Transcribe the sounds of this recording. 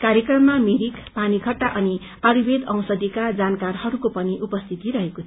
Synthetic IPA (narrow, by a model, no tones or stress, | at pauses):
kaɾjekrʌmːamiɾikpanikʌʈːaʔʌni | ʌɾibed̪ʌw̃sʌd̪ikad͡zankarhʌɾukopʌniʔupʌst̪ʰit̪iɾʌɦekotʰ